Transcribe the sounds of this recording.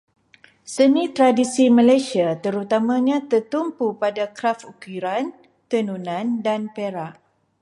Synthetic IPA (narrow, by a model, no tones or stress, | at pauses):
sənĩt̪ɾadisimə̃lajsiat̪əɾut̪amãɲãt̪ərt̪umpupadakɾafukiɾan | t̪ənunãndanpeɾaʔ